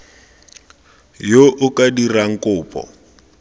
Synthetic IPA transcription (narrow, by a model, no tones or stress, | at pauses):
joʔʊkʼadiraŋ̩kʼʊːpʼɔ̰